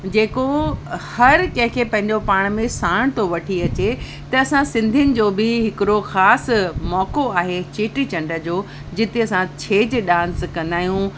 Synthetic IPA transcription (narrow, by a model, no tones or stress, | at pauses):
d͡ʑeːkohɐɾkɐ̃ɦɪ̃kʰeːpɐ̃ɦɪ̃ɲd͡ʑopaːɽ̃mẽsaːɽ̃t̪ʰoʋɐʈʰiɐt͡ɕe | t̪ɐɐsãsɪ̃nd̪ʱijʊnɪ̆d͡ʑoːbɪɦɪkɪɾoxaːsmɔːkoaːɦet͡ɕeːʈɾit͡ɕɐ̃ɳɖəd͡ʑoː | d͡ʑɪt̪eɐsãt͡ɕʰeːd͡ʑɗãːnskɐ̃nd̪aːɦijũ